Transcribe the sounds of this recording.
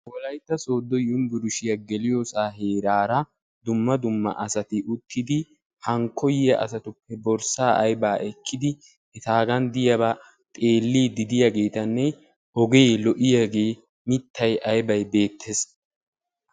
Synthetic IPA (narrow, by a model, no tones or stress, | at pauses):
wɔlɐjt̪ːɐso̞ːd̪ːɔjʊnbʊɾʊʃɪjɐɡɛlɪjoːsaːɦe̞ːɾaːɾɐ | d̪ʊmːɐd̪ʊmːɐ̰ʔɐsɐt̪ɪʔʊt̪ːɪd̪ɪ | hɐŋkʰːɔjɪjɐʔɐ̰sɐt̪ʊpːɛbɔɾsaːʔɐjbaːʔɛkʰːɪd̪ɪ | ɛt̪aːɡɐnd̪ɪjɐbɐ | t̪ʼe̞ːlːiːd̪ɪd̪ɪjɐɡe̞ːt̪ɐnːɛ | ɔɡelɔʔɪjaɡe̞ː | mɪt̪ːɐjʔɐjbɐjbe̞ːt̪ʰːes